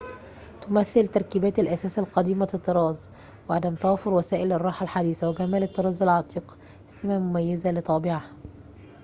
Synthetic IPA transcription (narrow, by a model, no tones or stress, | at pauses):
t̪ʊmæθːɪlt̪ɑɾˤkiːbæːt̪ɪlʔæsæːsælqɑd̪iːmafɪt̪ːɨɾˤɑːz | wɪʕad̪æmt̪ɑwɑːfʊɾwæsæːʔɪlɪrˤːɑːħalħad̪iːsæwɪɡæmæːlɨt̪ːɨɾˤɑːzɪlʕɑt̪ˤiːq | ɪsɪmæmʊmæjːɪzælɪt̪ˤɑːbɪʕah